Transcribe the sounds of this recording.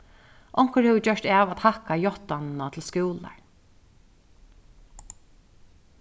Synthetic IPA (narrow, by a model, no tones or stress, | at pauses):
ʔɔŋ̥kəɹhɛvɪt͡ɕœʂt̪ɛːʋat̪hakajɔht̪annat̪ʰɪlskuːla̰ɹ